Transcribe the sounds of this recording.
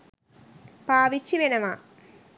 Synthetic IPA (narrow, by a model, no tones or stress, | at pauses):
paːʋit͡ɕːiʋenɐma